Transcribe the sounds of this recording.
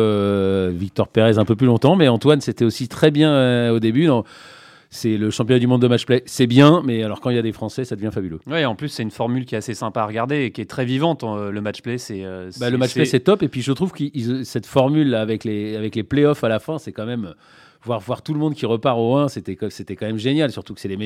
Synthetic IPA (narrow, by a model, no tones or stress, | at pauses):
øvik̚t̪ɔʁpeʁɛzɛ̃pøplylɔ̃t̪ɑ̃mɛɑ̃t̪wanset̪ɛosit̪χɛbjɛ̃øod̪ebyd̪ɑ̃ | sɛləʃɑ̃pj̃d̪ymɔ̃d̪ːəmat͡ʃplɛsɛbjɛ̃mɛalɔʁkɑ̃iljad̪efχɑ̃sɛsad̪əvjɛ̃fabyløwɛɑ̃plysːɛynfɔʁmylkʲiɛt̪asesɛ̃paːʁəɡaʁd̪eːkʲiɛt̪χɛvivɑ̃t̪ləmat͡ʃplɛsɛøbaləmatt͡ʃpplɛsɛt̪ɔpepɥiʒət̪χuvkiizsɛt̪fɔʁmylːaːvɛkleavɛklepleɔfalafɛ̃sɛkɑ̃mɛmø | vwaʁvwaʁt̪uləmɔ̃d̪kʲiʁəpaʁoɛ̃set̪ɛkset̪ɛkɑ̃mɛmʒenjalsyʁt̪uksɛleme